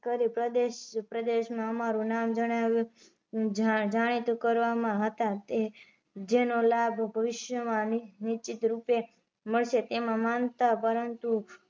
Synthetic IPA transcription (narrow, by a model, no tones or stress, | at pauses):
kəɾipɾəd̪eʃpɾəd̪eʃmãəmaɾũnamd͡ʒəɽ̃aʋjũ | d͡ʒaɽ̃it̪ukəɾʋamãɦət̪at̪e | d͡ʒenolabʱbʱəʋɪʃjəmãnnit͡ʃit̪ɾupe | məɭʃet̪emãmant̪apəɾənt̪u